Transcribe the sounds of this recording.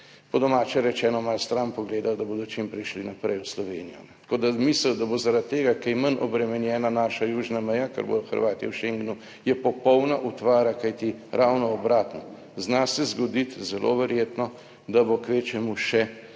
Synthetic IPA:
pɔd̪ɔmaːt͡ʃɛɾɛt͡ʃɛːnɔmalst̪ɾampɔɡleːd̪awd̪aboːd̪ɔt͡ʃimpɾɛʃlinapɾɛjwslɔʋeːnijɔ̰nɛt̪koːd̪amisləwd̪abozaɾat̪tːeːɡakɛjmənʔɔ̰bɾɛmɛnjɛːnanaːʃajuːʒnamɛjakə̰ɾbo̰d̪ɔxə̰ɾʋaːt̪iɛ̰wʃeŋɡnu | jɛpɔpɔwnaʔut̪ʋaːɾakajt̪iɾʔawnɔːbɾaːt̪nɔ | znasɛzɡɔd̪it̪zɛlʔo̰ʋɛɾjeːt̪nɔ | d̪abokʋet͡ʃɛmuʃɛ

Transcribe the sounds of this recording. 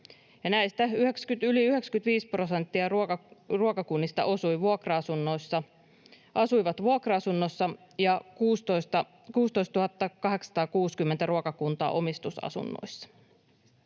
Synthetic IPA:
jɑnæjst̪æyhe̞kskyt̪yliyɦe̞kskyt̪ʋiːspro̞se̞nt̪ːiɑruokɑkunːist̪ɑ̰ʔo̞sujʋuokrɑɑsunːo̞jsːɑ | ʔɑsujʋɑt̪ʋuokrɑɑsunːosːɑ | jɑkuːst̪ost̪ɑ | kuːst̪o̞ist̪t̪uhɑt̪ːɑkɑɦe̞ksɑ̥t̪ɑːkuːskymːent̪æɾuokɑkunt̪ɑ̰ːʔo̞mist̪usɑ̰sṵnːo̰jsːɑ̥

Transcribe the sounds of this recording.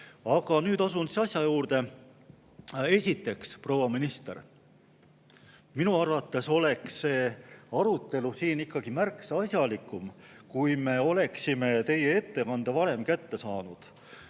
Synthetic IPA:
ɑɡ̥ɑnyːd̪ɑsunsiɑsjɑjuːrd̪̥e | e̞sʲit̪ːˑe̞kspro̞wɑminist̪er | minuɑrvɑt̪ːˑe̞so̞le̞ksːe̞ːɑɾut̪ːˑe̞lusiːnikˑːɑɡ̥imærksɑsjɑlikːˑum | kujme̞o̞le̞ksime̞t̪e̞je̞e̞t̪ːe̞kɑnd̪̥evɑɾe̞mkæt̪ːe̞sɑːnud̪̥

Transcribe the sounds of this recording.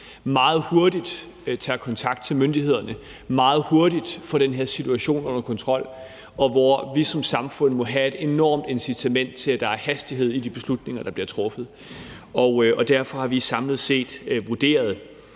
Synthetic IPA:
mɑ̈ːð̞̩ˠho̝ɐd̥id̥ | t͡sʰækʰɒ̽nt͡sʰɑ̈ɡ̥d̥̚t͡sʰe̝lmønd̥ihe̝ð̞̰ˠɐnə | mɑ̈ːð̞̩ˠho̝ɐd̥id̥fɒ̽ɾ̥enɦeɐsit͡sʰuæɕo̝̰ːnɔ̽n̰ɐkʰɒ̽nt͡sʰʁɒ̽l̰ | ɒ̽ʋɒʋisɒ̽msɑ̈mfɔ̽n̰mɒ̽ɦæe̝d̥e̝nɒ̰ːmd̥ensit͡sʰæmen̰d̥t͡sʰe̝læd̥ɑ̈æɐhæsd̥iɦe̝ð̰ˠid̥ib̥e̝slud̥ne̝ŋɐd̥ɑ̈b̥liɐt͡sʰʁɔ̽fð̩ˠ | ɒ̽ɒ̽d̥æɐ̰fɒ̽hɑ̈ʋisɑ̈mlð̞̩ˠse̝̰ːd̥ʋoɐd̥e̝̰ːɐð̞ˠ

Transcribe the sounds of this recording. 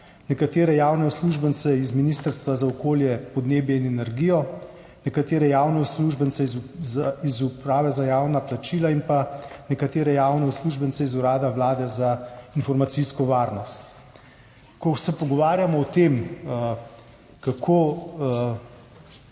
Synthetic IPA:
nɛkat̪eːɾɛjaːwnɛusluʒbənt̪sɛizminiːst̪əɾst̪ʋazaɔkoːljɛpɔd̪neːbjɛinɛnɛɾɡijɔ | nɛkat̪eːɾɛjawnɛusluʒbənt̪sɛ | izupɾaːʋɛzajaːwnaplat͡ʃiːlainpanɛkat̪eːɾɛjaːwnɛusluːʒbənsɛizuɾaːd̪aʋlaːd̪ɛzainfɔɾmat̪siskɔʋaːɾnɔst̪ | kɔsɛpɔɡɔʋaːɾjamɔːt̪em | kakʰoː

